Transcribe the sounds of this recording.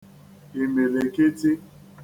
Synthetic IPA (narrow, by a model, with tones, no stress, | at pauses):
e˨me˨le˨ke˦ti˦